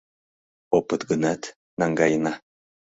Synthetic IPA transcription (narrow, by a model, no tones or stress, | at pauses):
opət̪ɡənat̪ | naŋɡajna